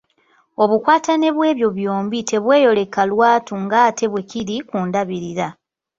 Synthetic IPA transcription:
o̞βukwaːtane̞βwe̞ːβjo̞βjoːmbite̞βwe̞ːjo̞le̞kalwaːtuŋɡaːtʰe̞βwe̞kiɾikuːndaβiɾiɾa

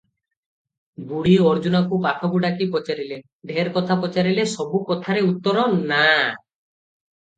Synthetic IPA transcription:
buɽiɔɾd͡ʒunakupaʈʰɔɡuɖakipɔt͡ʃaɾile | b̪ʱeɾkɔt̪ʰapɔt͡ʃaɾilesɔbukɔt̪ʰaɾeut̪ːɔɾɔna

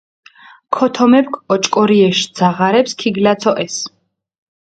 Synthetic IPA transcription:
kʰɔt̪ʰɔmɛp̚kʰʼɔt͡ʃʼkʼɔɾiɛʃd̪z̥aʁaɾɛpskʰiɡlat̪sʰɔʔɛs

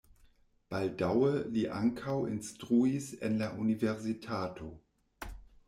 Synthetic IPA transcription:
b̥al̚d̥awəliːʔa̰ŋkʰawɪ̰nstʁ̥uisɪ̰nlaʔunivɛʁzitʰaːtʰo

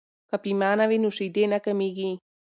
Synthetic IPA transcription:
kapimanaβinusid̪enakəmiɣi

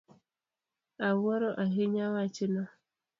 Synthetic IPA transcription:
awɔɾɔʔaɦeɲawat͡ʃɪna

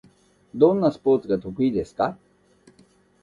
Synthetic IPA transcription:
d̪õ̞nːasɨ̥po̞ːt͡sɨɡat̪o̞kɯ̟id̪e̞sɨ̥ka

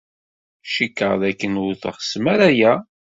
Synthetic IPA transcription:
ʃikːəʁðækːənʊθə̰χə̥səmæɾæjæ

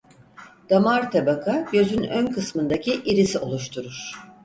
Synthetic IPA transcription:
d̪̥amaɾt̪ʰabakʰaɟø̞zynønkʰɯsmɯnd̪acʰiʔiɾisio̞lˠuʃt̪ʰuɾuɾ̥

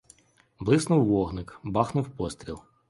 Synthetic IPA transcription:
blˠɪsnʊwːɔɦnɪkbɑxnʊwpɔst̪ʲɾʲilˠ

